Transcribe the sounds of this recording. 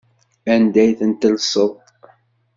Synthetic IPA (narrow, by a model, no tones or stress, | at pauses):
ænd̪æjθənt̪əlsˤoðˤ